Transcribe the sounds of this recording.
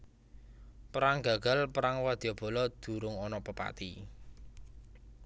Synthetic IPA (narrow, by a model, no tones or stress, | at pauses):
pəɾaŋɡa̤ɡ̥a̤lpəɾaŋwad̪̥iɔb̥ɔ̤lɔd̪̥ṳɾʊŋɔnɔpəpa̰t̪i